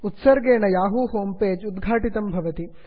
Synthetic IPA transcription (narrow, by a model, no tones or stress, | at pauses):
ut̪sɐɾɡeːɳɐjaːɦuːhoːmpeːd͡ʒud̪ɡʱaːʈit̪ɐmbʱɐʋɐt̪i